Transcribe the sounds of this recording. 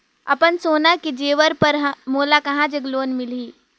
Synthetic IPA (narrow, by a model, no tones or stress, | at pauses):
ɐ̰pənsoːnaked͡ʒeːʋəɾpɐɾɦmoːlakɐɦãd͡ʒɐɡloːnmɪliː